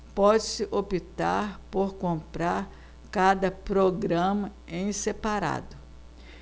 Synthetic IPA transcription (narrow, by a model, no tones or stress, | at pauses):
pɔd͡ʒɪsɪʔopit̪a̰ɾpoɾkõmpɾaɾ | kad̪ɐpɾoɡɾɐ̃mɐẽj̃sepaɾa̰d̪ʊ